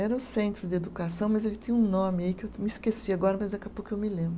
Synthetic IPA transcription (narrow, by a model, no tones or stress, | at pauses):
ɛɾɐʊsẽnt̪ɾʊd̪ɪed̪ukasɐ̃w̃mɐzelɪt̪ĩɲɐũnõmɪaikɪewmɪiskesiaɡɔɾɐmɐzd̪ɐkapokɪewmɪlẽmbɾʊ